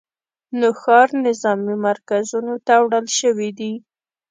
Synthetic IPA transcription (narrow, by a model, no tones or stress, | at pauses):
noxɑɾnɪzɑmimaɾkazunot̪awɽəlʃəwid̪i